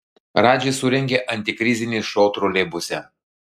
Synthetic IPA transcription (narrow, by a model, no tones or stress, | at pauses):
ɾɑːd͡ʒʲɛsʊɾʲɛŋʲɡʲeʔɐnʲt̪ʲɪkɾʲɪzʲɪnʲeːʃɔːt̪ɾulʲɛbʊsʲɛ